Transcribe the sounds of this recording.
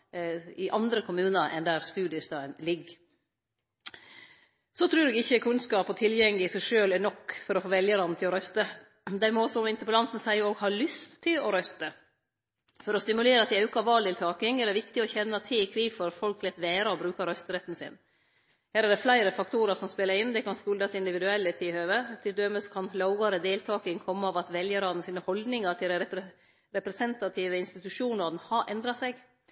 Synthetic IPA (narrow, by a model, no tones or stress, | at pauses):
ɪʔɑnd̪ɾəkʰʊmʉːnəɾɛ̰nd̪æːɾst̪ʉːd̪ɪəst̪ɑːənlɪɡ | sɔt̪ʰɾʉːɾdɛɡɪçːəkʰʉnskɑːpɔt̪ʰɪljɛŋlɪsæɪʂøːlɛɳɔkːfɔɾɔfoːʋɛljəɾɑnːət̪ʰɪlɔɾœst̪ə | d̪æɾmɛɔsɔmɪnt̪əpəlɑnt̪n̩sæɪoːɡhɑːɭʏst̪ʰːɪlɔɾœst̪ə | fɔɾɔst̪ɪmʉleːɾɑt̪̚d̪ɪɑʉkɑʋɑːld̪ɪlt̪ʰɑːkɪŋɛɖɛʋɪkt̪ɪɔçɛnːɑt̪ʰɪkʰɾiːʋfɔɾfɔlklɛt̪ːʋeːɾɑɔbɾʉːkɑɾœst̪əɾɛt̪ːn̩sɪ̰n | hæːɾæɖɛflæɪɾəfɑkt̪ʰuːɾəɾsɔmspɛləɾɪnːd̪ɛkɑnskʉːld̪ɑsɪnd̪ɪʋɪd̪ʉɛlːət̪ʰɪhøːʋət̪ʰɪld̪øməskʰɑnlɑʊɡɑɾəd̪eːlt̪ʰɑːkɪŋkʰɔmːəɑːʋɑt̪ʋɛljəɾɑːd̪n̩siːnəhɔld̪nɪŋɑʈʰɪld̪æɛə | ɾɛpɾɛsɛnt̪ɑt̪ʰiːʋəɪnst̪ɪt̪ʉʂuːnɑɾnhɑʔɛnd̪ɾɑsɛɡ